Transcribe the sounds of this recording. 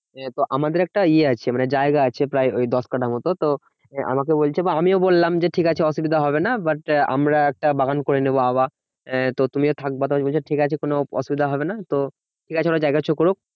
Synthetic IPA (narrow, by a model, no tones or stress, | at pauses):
t̪oʔamad̪eɾɛk̚ʈaieat͡ɕʰemaned͡ʑaeɡaat͡ɕʰepɾaeojd̪ɔskaʈʰamɔt̪ot̪o | a̰mak̬ebolt͡ɕʰebaamiobolːamd͡ʑeʈʰikat͡ɕʰeɔʃubid̪ʱaɦɔbenabaʈa̰mɾaɛk̚ʈabaɡankoɾeneboaβa | t̪ot̪umiot̪ʰak̚bat̪oabolʰeʈʰikat͡ɕʰekonoɔ̰ʃubid̪ʱaɦɔbenat̪o | ʈʰikat͡ɕʰeoɾod͡ʑaeɡat͡ɕʰokoɾuk̚